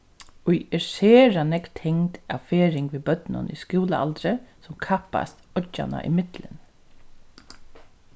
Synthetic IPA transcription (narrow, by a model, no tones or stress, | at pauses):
ʊjɛseːɾanɛkt̪ʰhɛŋt̪a̰wfeːɾɪŋkʋibœt̪nʊ̰niskuːləa̰lt̪ɾəsʊmkʰapa̰st̪ɔt͡ʃːa̰na̰ʔimɪt̪lɪ̰n